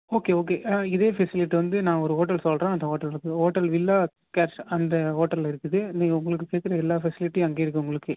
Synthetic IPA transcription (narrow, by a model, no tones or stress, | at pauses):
oːkeːoːk̬eːɪðeːfɛsɪlɪʈːiʋɐnd̪ɯnãːɔɾɯɦoːʈ̬ːɐlsɔlrɾẽːɐnd̪ɐɦoːʈːɐlɪɾɯkːɯɦoːʈːɐlʋɪlːaː | kɛːʈsɐnd̪ɐɦoːʈːɐlːɪɾɯkːɯðɯniːŋɡɐʊŋɡɐɭɯk̬ːɯkːeːʈ̚kɪɾɐɛlːaːfɛsɪlɪʈːiɐŋɡeːɪɾɯk̬ːɯʊŋɡɐɭɯkːɯ